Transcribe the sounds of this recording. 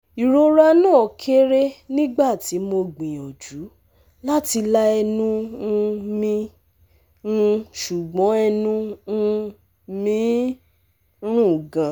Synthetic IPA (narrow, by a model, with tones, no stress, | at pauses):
i˨ɾo˧ɾa˦˧nãː˦˨kʰe˦ɾe˦nĩ˦ɡ͡ba˦˨ti˨˦mo˧ɡ͡bĩ˨ɔ˨d͡ʒu˨˦ | la˦ti˧la˦ɛ˧nũ˦˧ | mĩ˧˦˧ | ʃu˨ɡ͡bɔ̃˨˦ɛ˧nũ˦˧ | mĩ˦ | ɾ̃ũ˦˨ɡã˨